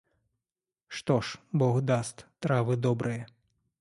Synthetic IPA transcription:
ʂt̪ɔʂbɔɣd̪ast̪ʲt̪ɾavɨd̪ɔbɾʔɨjɐ

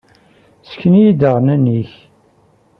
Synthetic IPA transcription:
sə̥kːənjid̪əʁnæniç

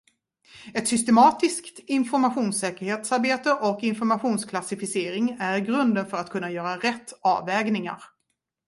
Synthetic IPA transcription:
ɛt̪sʏst̪ɛmɑːt̪ɪskt̪ɪnfɔɾmaɧuːnsɛːkəɾheːt̪saɾbeːt̪əʔɔkɪnfɔɾmaɧuːnskʰlasɪfɪseːɾɪŋæɾɡɾɵnd̪ənfœɾat̪kʰɵnːajœːɾaɾɛt̪ʰːɑ̰ːvɛːɡnɪŋa̰ɾ

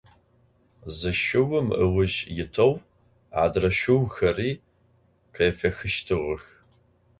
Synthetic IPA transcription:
zɨʃɪwʊmə̰wʊʒjɪtʰɐw | ʕa̰drɐʃʊwxɐriː | qʰejfɐxɨʃtʰɨʁəx

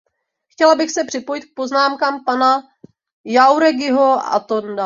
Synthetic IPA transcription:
xcɛlabɪxsɛpr̝̥ɪpo̞jɪt̪̚k̚po̞znaːmkaːmpana | jawɾɛɡɪɦoa̰t̪onda

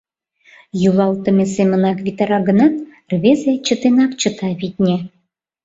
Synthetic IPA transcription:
julɑlt̪ə̆mʲesemʲə̆nɑkvʲit̪ɑɾɑɡə̆nɑt̪ | rβʲezet͡ɕə̆t̪enɑkt͡ɕə̆t̪ɑβʲit̪̚ʲnʲe

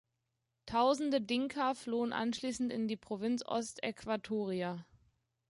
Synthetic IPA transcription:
tʰaʊzn̩dədɪŋkʰɐfloːənʔa̰nʃliːsn̩tɪndiːpʁ̥ovɪnt͡sʔɔ̰stɛ̰kv̥atʰoːʁia

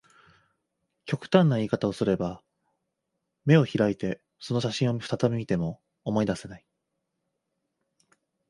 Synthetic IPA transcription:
kʲo̞kɯ̟̥t̪ãnːaiːkat̪ao̞sɨɾe̞ba | me̞o̞çiɾait̪e̞ | so̞no̞ɕaɕĩɰ̃o̞ɸɯ̥t̪at̪amʲimʲit̪e̞mo̞ː | mo̞id̪ase̞nai

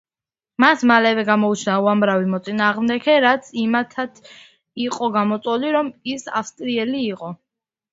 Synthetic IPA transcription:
masmalɛvɛɡamɔut͡ʃʰnauamɾavimɔt̪sʼinaːʁmd̪ɛkʰɛɾat̪sʰimat̪ʰat̪ʰ | iqʼɔɡamɔt̪sʼɔliɾɔmisafst̪ʼɾiɛliːqʼɔ

